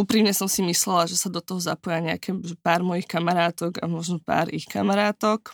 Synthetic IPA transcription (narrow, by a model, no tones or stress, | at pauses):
uːpɾiːmɲɛsɔmsimislɛlaʒɛsad̪ɔt̪ɔɦɔza̰pɔjaɲɛa̰kɛʒɛpaːɾmɔjixkamaɾaːt̪ɔɡa̰mɔʒnɔpa̰ːɾixka̰maɾaːt̪ɔk